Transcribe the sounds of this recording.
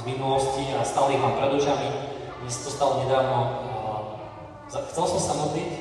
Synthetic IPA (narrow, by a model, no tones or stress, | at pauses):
zminulɔsciast̪aliɦlaːmpɾɛd̪uʒamiɲɛsḁt̪ɔst̪alɔɲɛd̪aːʋnɔ | zaxt͡sɛlsɔmsamɔt̪lic